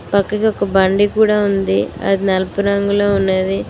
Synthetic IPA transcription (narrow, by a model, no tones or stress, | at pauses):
pɐkːɐkiɔkɐbɐɳɖikuːɽaːund̪iɐ̰d̪inɐlɐpuɾɐŋɡuloːunːɐːd̪i